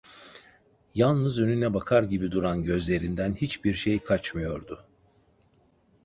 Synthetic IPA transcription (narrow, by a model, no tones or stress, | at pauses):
jalˠnɯzø̞nynɛbakʰaɾɟibid̪uɾanɟø̞zlʲe̞ɾind̪ænhit͡ʃbiɾʃe̞jkʰat͡ʃmɯjo̞ɾd̪ʊ